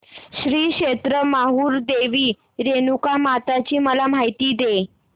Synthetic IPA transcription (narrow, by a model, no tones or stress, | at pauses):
ɕɾiːkɕet̪ɾəmaɦuːɾd̪eʋiː | ɾenukamat̪at͡ɕiːməlam̤ajt̪iːd̪e